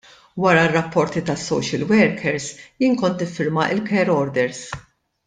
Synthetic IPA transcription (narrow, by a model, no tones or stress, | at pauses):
wɐɾɐrːɐpːɔɾt̪it̪ɐsːɔ̰wʃɪlwɛɾkʰɛɾsjiːnkɔnt̪ɪfːɪɾmɐʔɪlkʰɛɾɔɾd̪ɛɾs